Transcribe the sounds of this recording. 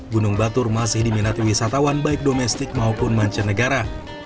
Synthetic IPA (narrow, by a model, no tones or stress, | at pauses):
ɡunʊŋbat̪ʊrmasɪhdiminat̪iwisat̪awanbaɪk̚domɛst̪ɪk̚maupʊnmaɲt͡ʃənəɡaɾa